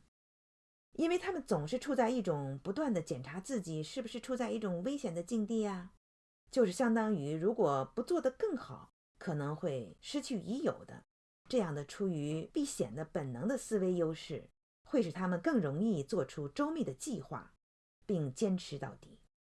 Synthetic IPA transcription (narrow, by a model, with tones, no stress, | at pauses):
i˥nwe˥˩ɪt̪ʰa˥mə˨nt͡sʊ˨˩ŋʂɻ̩˥˧ʈ͡ʂʰu˥˧t͡sa˥˧ɪi˥˩ʈ͡ʂʊ˨˩ŋpu˧˥t̪wa˥˩nd̪ə˩t͡ɕjɛ˨˩nʈ͡ʂʰa˧˥t͡sɹ̩˥˩t͡ɕi˨˩˦ʂɻ̩˥˩bu˩ʂɻ̩˥˧ʈ͡ʂʰu˥˧t͡sa˥˧ɪi˥˩ʈ͡ʂʊ˨˩ŋwe˥ɪɕjɛ˨˩nd̪ə˦t͡ɕi˥˧ŋt̪i˥˩ɐ˩ | t͡ɕjo˥˧ʊʂɻ̩˥˩ɕjɑ˥ŋt̪ɑ˥ŋy˧˥ɻu˧˥kwɔ˨˩pu˧˥t͡swɔ˥˩d̪ə˩kɤ˥˩ŋxɑ˨˩˦ʊ | kʰɤ˨˩nɤ˧˥ŋxwe˥˩ɪʂɻ̩˥t͡ɕʰy˥˩i˧˥jo˨˩ʊd̪ə̰˦ | ʈ͡ʂɤ˥˧jɑ˥˩ŋd̪ə˩ʈ͡ʂʰu˥y˧˥pi˥˩ɕjɛ̰˨˩nd̪ə˦pə˨˩nnɤ˧˥ŋd̪ə˧sɹ̩˥we˥ɪjo˥ʊʂɻ̩˥˩ | xwe˥˩ɪʂɻ̩˨˩t̪ʰa˥mə˨nkɤ˥˩ŋɻʊ˧˥ŋi˥˧t͡swɔ˥˩ʈ͡ʂʰu˥ʈ͡ʂo˥ʊmi˥˩d̪ə˩t͡ɕi˥˧xwa̰˥˩ | pi˥˩ŋt͡ɕjɛ˥nʈ͡ʂʰɻ̩˧˥t̪ɑ̰˥˩ʊt̪i̥̰˨˩˦